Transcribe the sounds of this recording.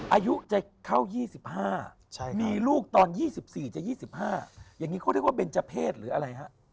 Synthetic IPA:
ʔaː˧ju˦˥ʔt͡ɕa˨˩kʰa˥˩wjiː˥˩si˨˩p̚haː˥˩ | t͡ɕʰa˥˩miː˧luː˥˩k̚t̪ɔː˧njiː˥˩si˨˩p̚siː˨˩t͡ɕa˨˩jiː˥˩si˨˩p̚haː˥˩jaː˨˩ŋːiː˦˥kʰːɾʰwa˥˩pe˧nt͡ɕa˧˩pʰeː˥˩t̪̚ɾɯː˩˦ʔa˧ɾa˧jɦa˦˥ʔ

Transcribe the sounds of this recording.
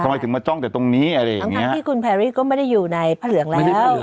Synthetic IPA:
a˧m˧jt̪ʰɯ˩˦ŋmaː˧t͡ɕɔ˥˩ŋt̪ɛ˨˩t̪o˧ŋniː˦˥ʔa˧ɾa˧jaʔa˧ŋ˨ŋʰː˨i˦˩˥ʔ̪iː˥˩kʰu˧npʰɛː˧ɾiː˥˩kɔː˥˩ma˥˩jda˥˩jːuː˨˩na˧jpʰaː˥˩lɯ˩˦əŋlɛː˦˥ww

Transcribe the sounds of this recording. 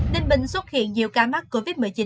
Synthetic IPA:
ti˧ŋɓï˧˨ŋ̟swə˦˥t̚hḭ˧˨ənɲi˨˩əwkaː˧˦ma˦˥k̚ko˧vi˦˥t̚mɨ˨˩t͡ɕi˨˦

